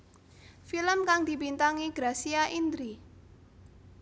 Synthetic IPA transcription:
filəmkaŋd̪̥i̤bint̪aŋiɡ̥ɾasiaʔind̪ɾi

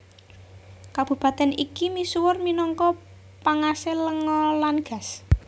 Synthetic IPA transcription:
kab̥ṳpat̪ɛnikimisuwʊrminɔŋkɔ | paŋaseləŋɔlanɡ̥a̤s

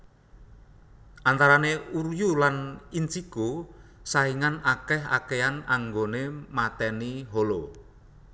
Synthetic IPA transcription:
ʔant̪aɾaneurjulanint͡ʃiɡ̥osaiŋanakɛɦa̰keanaŋɡonemat̪ɛniɦolo

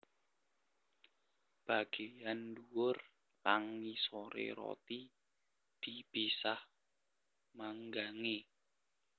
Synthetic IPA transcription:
b̥a̤ɡ̥ejanduʊr | laŋmisoɾḛɾɔ̰t̪i | d̪̥i̤b̥isah | maŋɡaŋe

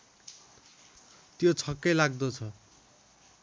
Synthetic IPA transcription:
t̪jot͡sʰʌkːʌjlaɡ̚d̪ot͡sʰʌ

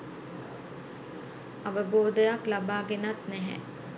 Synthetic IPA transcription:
aʋəboːd̪əjaklabaːɡenat̪nɛɦɛ̰

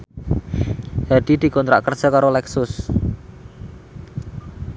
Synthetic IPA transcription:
d̪̥a̤d̪̥id̪̥i̤kɔnt̪ɾa̰ʔkər̥ʒ̥ɔ̤kaɾolɛksʊs

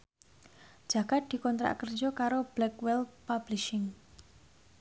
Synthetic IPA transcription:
d͡ʒ̥ä̤ɡ̥at̪̚d̪̥i̤kɔnt̪ɾa̰kər̥d͡ʒɔkaɾob̥lɛkwɛlpabliʃɪŋ

